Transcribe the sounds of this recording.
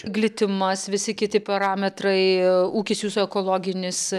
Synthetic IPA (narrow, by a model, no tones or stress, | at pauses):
ɡlʲɪt̪ʲɪmɐsʋʲɪsʲɪkʲɪt̪ʲɪpɐɾɑːmʲɛt̪ɾɐɪuːkʲɪsjuːsʊɛkoːlˠoːɡʲɪnʲɪs